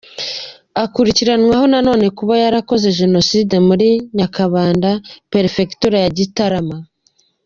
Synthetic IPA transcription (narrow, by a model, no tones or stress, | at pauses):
akuɾiciɾanŋwaho̞nano̞ːne̞kuβajaɾako̞ze̞ʒe̞no̞siːde̞muɾiɲakaβaːndapeɾife̞ktuɾajaɟitaɾama